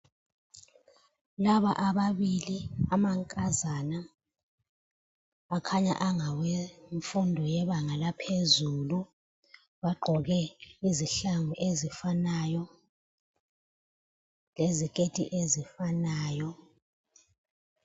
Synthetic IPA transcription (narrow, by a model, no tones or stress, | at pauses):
laβaʔaβaβiliamaŋkʼazana | akʰaɲa̰ʔaŋaweɱfundʱɔjɛβaŋalapʰezulu | βaɡ͡ǃʱɔɣɛiziɬaŋuʔezifanajɔ | lezikʼetʼḭʔezifanaːjɔ